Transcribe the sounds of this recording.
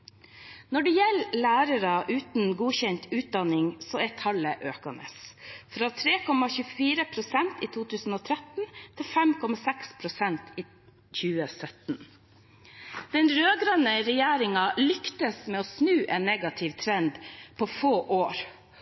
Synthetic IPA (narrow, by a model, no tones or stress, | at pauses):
nɔɖɛjɛlːlæːɾəɾɑʔʉːt̪nɡuːçɛnt̪ʉːt̪̚d̪ɑnɪŋsɔæt̪ʰɑləʔøːkɑnə̰sfɾɑt̪ʰɾeːkʰɔmɑçʉːfiːɾəpʰɾʊsɛnt̪iːt̪ʰuːt̪ʉːsn̩oːt̪ʰɾɛt̪n̩t̪ʰɪlfɛmkʰɔmɑsɛkspʰɾʊsɛnt̪iː | çʉːəsœt̪n | d̪̥ɛnɾøːɡɾɑnəɾɛjæːɾɪŋɑlʏkt̪əsmɛːɔːsnʉːʔɛnːɛɡɑt̪ʰɪʋt̪ʰɾɛnd̪pʰɔfoːʔoːɾ